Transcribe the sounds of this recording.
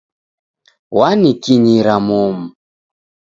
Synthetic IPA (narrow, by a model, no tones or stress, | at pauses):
wanikiɲiɾamɔmu